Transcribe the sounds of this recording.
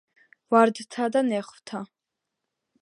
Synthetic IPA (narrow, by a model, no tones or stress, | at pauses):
vaɾd̪t̪ʰad̪anɛχvt̪ʰa